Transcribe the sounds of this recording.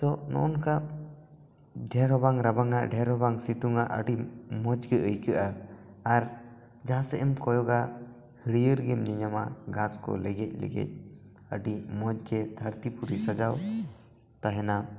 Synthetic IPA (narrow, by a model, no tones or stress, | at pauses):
t̪ɔnɔ̰ʔɔnka | ɖʱɛɾɔbaŋɾabaŋaʔɖʱɛɾɦɔbaŋsit̪uŋaʔə̰ɖimɔd͡ʒɡɛəjkəʔaː | ɾ | d͡ʒaɦãsɛʔɛmkɔjɔɡa | hiɽijəɾɡɛmɲiɲama̰ɡãskɔ̰lɛɡɛc̚ˀlɛ̰ɡɛ̰c̚ˀ | ə̰ɖimɔd͡ʒɡɛd̪ʱaɾt̪ipuɾisad͡ʒaw | t̪aɦɛna